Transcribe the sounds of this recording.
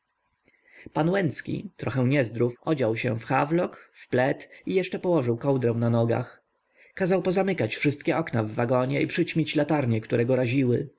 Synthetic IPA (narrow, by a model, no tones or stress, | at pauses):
panwɛnt̪skʲḭt̪ɾɔxɛw̃ɲɛzd̪ɾufʔɔd͡ʑawɕɛfxavlɔkfplɛt̪ijɛʂt͡ʂɛpɔwɔʐɘwkɔwd̪ɾɛw̃nanɔɡa̰x | kazawpɔzamɘkat͡ɕfʂɘst̪kʲɛʔɔknavːaɡɔɲɛʔipʂɘt͡ɕmʲit͡ɕlat̪aɾɲɛkt̪uɾɛɡɔɾaʑiwɘ